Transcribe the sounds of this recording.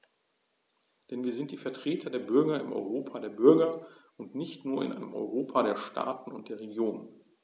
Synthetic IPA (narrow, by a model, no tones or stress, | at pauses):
d̥ɛnviːɐzɪntd̥iːfɛɐtʁ̥eːtʰɐdeːɐbʏɐɡɐɪmʔɔ̰ʏʁoːpʰaːdeːɐbʏɐɡɐʔʊntnɪçtnuːɐɪ̰nʔa̰ɪnəmʔɔ̰ʏʁoːpʰaɾeːɐʃtʰa̰ːtn̩ʊnt̚d̥eːɐʁeɡjoːnən